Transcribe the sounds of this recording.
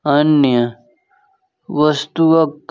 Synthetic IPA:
ɐnjɐ | ʋɐst̪uɐkː

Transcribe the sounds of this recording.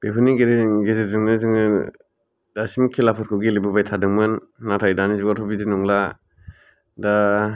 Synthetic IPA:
b̥epʰuniɡeɾɡezedɯŋnɯzɯŋɯ | dasimkʰelapʰɔɾkʰɯɡilebɯbajtʰadɯŋmɯnːatʰajdanizɔɡatʰɔbidinɔŋla | da

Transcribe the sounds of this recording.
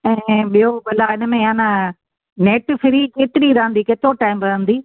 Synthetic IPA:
ɛ̃ːɓijobɐlaɪnəmẽãːna | neːʈfɪɾikeːt̪ɪɾiɾaɦə̃nd̪ikeːt̪ɾoʈaːɪmɾɐɦə̃nd̪iː

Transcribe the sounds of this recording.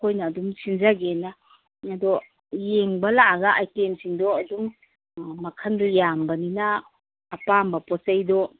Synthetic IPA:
kʰojnɐːdumsinzaɡena | ŋɐdɔ | jeŋbɐlaɡɐʔajtemsiŋdɔɐdum | mɐkʰɐndɔjambɐninɐː | pambɐpɔsɐjdɔ

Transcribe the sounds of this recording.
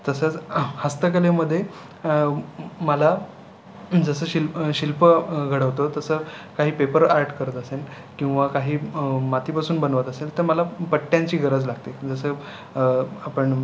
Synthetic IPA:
t̪əsət͡shəst̪ək̬əleməd̪ʱːje | məla | d͡zəsəːɕilɕilpəɡʱəɽəʋt̪ot̪əsəːkaɦiːpepəɾaɾʈkəɾət̪əsel | kĩw̃ʋakaɦiːmat̪ipasuːnbənʋət̪əselt̪əɾməlapəʈːjãɲt͡ɕiːɡʱəɾəd͡zlaɡt̪ed͡zəsəː | apəɳ

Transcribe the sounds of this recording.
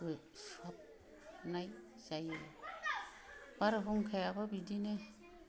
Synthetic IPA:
ɯj | swap̚ | naj | z̥aje | b̥aɾɦuŋkʰajababidine

